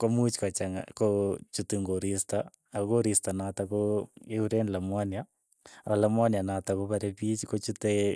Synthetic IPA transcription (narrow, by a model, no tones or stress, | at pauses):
komut͡ʃkat͡ʃaŋa̰kot͡ʃutiŋɡoɾista | akoɾistanatakoeuɾenlamwanja | alamwanjanatakoβaɾepit͡ʃkot͡ʃute